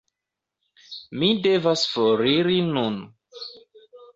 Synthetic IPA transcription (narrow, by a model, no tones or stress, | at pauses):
mide̞vasfoɾiɾinun